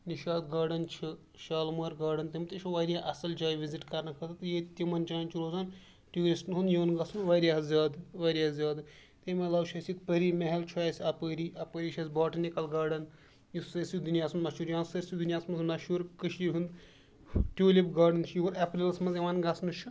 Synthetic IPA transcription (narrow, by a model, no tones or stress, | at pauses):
niʃaːd̪ɡaːɖɐnt͡ʃʰi | ʃaːlmɐːɾɡaːɖɐnt̪imt̪it͡ʃʰuʋaɾʲjaʔɐsɐld͡ʒaːjʋiziʈkɐɾnɐkʰɐt̪ɐt̪jet̪ʲimɐnt͡ʃaːnt͡ʃʰiɾoːzaːn | ʈʲjuːɾisʈnɦund̪juʋnɡɐsunʋaːɾʲjaːɦɐzʲaːd̪ɨʋaːɾʲaːɦɐzʲaːd̪ɨ | t̪emɐlaːwʃʰɐsit̪pəɾiːmeɦɐlt͡ʃʰːsʲɐpəːɾiːɐpəːɾiːʃʰɐsʲbaːʈɐnikɐlɡaːɖɐn | jisɐɾsid̪unjaːsunnɐʃuːɾjãːnsɐɾsid̪unʲjaːsmɐnznɐʃuːɾkəʃiːɾɦũnd̪ | ʈʲuːlʲibɡaːɖɐnt͡ʃʰjuɐɾɐpɾilɐsmɐnzjeʋaːnɡɐsnɨt͡ʃʰi